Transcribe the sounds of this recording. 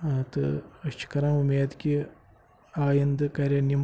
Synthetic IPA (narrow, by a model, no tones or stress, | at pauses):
aːt̪ɨɐt͡ʃi̥kɐɾamumeːd̪kʲi | aːjɐnd̪ɨkɐɾʲɐnːim